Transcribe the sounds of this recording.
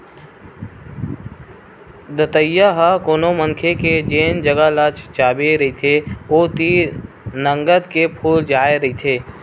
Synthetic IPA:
d̪ət̪əjːaɦəkoːnomə̃ŋkʰeked͡ʒeːnd͡ʒəɡalat͡ʃt͡ʃaːbeɾɐit̪ʰeoːt̪i | nə̃ŋɡəd̪kepʰuːld͡ʒaːeɾɐɦit̪ʰeː

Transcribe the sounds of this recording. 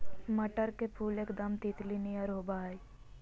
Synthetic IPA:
məʈəɾkepʰuːleːkd̪əmt̪iːt̪linijəɾɦoːbaɦi

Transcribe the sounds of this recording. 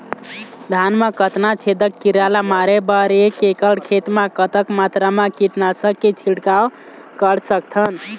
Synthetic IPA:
d̪ʱanmakət̪nat͡ʃʰed̪əkːiɾalamaɾebəɾekekəɽkʰet̪makət̪əkmat̪ɾamãkiʈnasəket͡ʃʰilʈkaw | kəɾsəkt̪ʰən

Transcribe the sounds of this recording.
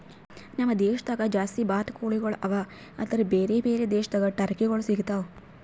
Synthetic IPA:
nɐmːɐd̪eːʃɐd̪ɐɡɐd͡ʒaːst̪ibaːt̪ɐkuːɭiɡɐɭʔɐʋa | ɐ̰d̪ɐɾebeːɾeːbeːɾed̪eːʃɐd̪ɐɡɐʈɐɾkeɡɐɭusiɡit̪au

